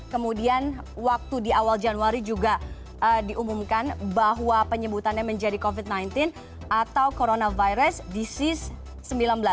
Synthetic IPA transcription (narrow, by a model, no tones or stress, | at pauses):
kəmudian | wak̚t̪udiawald͡ʒanuaɾid͡ʒuɡa | ʔədiʔumumkanbaɦwapəɲəbut̪anɲaməɲd͡ʒadikovit̪̚najnt̪ɪn | at̪awkoɾonavajɾəsdisɪsː | əmbilanbəla